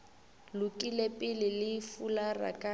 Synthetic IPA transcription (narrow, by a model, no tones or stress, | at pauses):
lʊkʼilepʼɪlɪlɪfulara̰kʼa